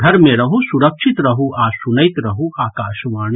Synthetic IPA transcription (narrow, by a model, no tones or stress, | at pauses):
dʱɐɾmẽɾɐɦosuɾɐkʃit̪ɾɐɦuʔaːsunəjt̪ɾɐɦuaːkaːʃʋaːn